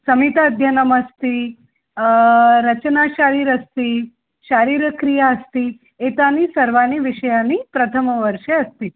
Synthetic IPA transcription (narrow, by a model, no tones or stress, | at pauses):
səmit̪ad̪ʱjənəməst̪i | ɾət͡ɕnaʃaɾiːɾəst̪iː | ʃaɾiːɾəkɾijaəst̪iː | et̪anisəɾʋaniʋiʃəjaniːpɾət̪ʰəmʋəɾʃeəst̪i